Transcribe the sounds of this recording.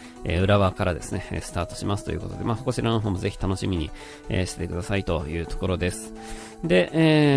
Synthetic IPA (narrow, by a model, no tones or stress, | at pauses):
ḛɯ̟ɾaβaːkaɾad̪e̞sɨne̞ḛsɨ̥t̪aːt̪o̞̥ɕimasɨ̥t̪o̞jɯ̟ko̞t̪od̪e̞maːsoko̞ɕiɾano̞ɦo̞ːmo̞ze̞çʲi̥t̪ano̞ɕimʲiɲ̟ḭ | ḛɕi̥te̥t̪e̞kɯ̟d̪asait̪o̞jɯ̟ːt̪o̞̥ko̞ɾo̞d̪e̞sɨ̥ | d̪e̞ʔeː